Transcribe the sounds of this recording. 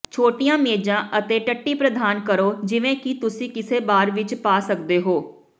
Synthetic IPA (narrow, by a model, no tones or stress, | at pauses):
t͡ʃʰoːʈijãːmeːd͡ʒãːʔət̪eːʈəʈːiːpɾəd̪aːnkəɾoːd͡ʒɪʋẽːkit̪ʊsĩːkɪseːbaːɾʋɪt͡ʃpaːsək̚d̪eːɦoː